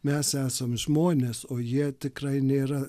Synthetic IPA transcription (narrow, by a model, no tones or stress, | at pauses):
mʲɛsæːsɐmʒmoːnʲeːsoːjiɛt̪ʲɪkrɐɪnʲeːɾɐ